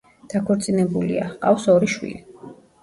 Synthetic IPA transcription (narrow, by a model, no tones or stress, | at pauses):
d̪̥akʰɔɾt̪sʼinɛbulḭa̰qʼafsɔɾiʃwḭli